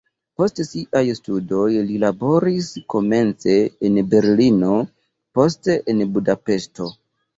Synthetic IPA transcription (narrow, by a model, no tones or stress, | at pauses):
po̞stsiʔajstudo̞jlilabo̞ɾisko̞me̞nt͡se̞ːnbe̞ɾlino̞ | po̞s̬teʔenbudape̞sto̞